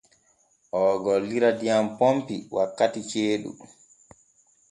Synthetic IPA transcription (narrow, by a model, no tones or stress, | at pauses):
ʔɔɡɔlːiɾadijampompiwʔakːatit͡ʃeːɗṵ